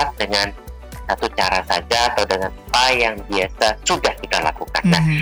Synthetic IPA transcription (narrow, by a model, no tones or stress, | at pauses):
at̪̚dəŋan | sat̪ut͡ʃaɾasad͡ʒaːt̪awdəŋanpajaŋbiasasudahkit̪ala̰kuka̰nːa̰h